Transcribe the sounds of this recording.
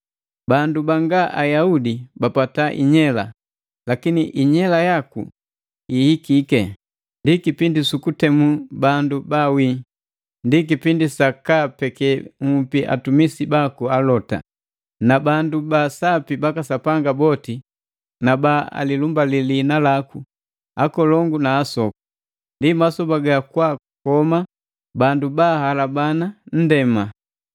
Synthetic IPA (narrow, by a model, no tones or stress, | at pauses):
bandubaŋɡaʔajaudibapataʔḭɲɛla̰ | lakiniʔiɲɛlajakṵ | ihikikɛ | ndikipindisukutɛmubandubawi | ndik̬ipindisakapɛkɛŋupiʔa̰tumisibakualɔta̰ | nabandubasapibakasapaŋɡabɔti | nabaa̰lilumbalilinalaku | akɔlɔŋɡunaːsɔku̥ | ndimasɔpaɡakwa | kɔma | bandubahalabanan̩dɛma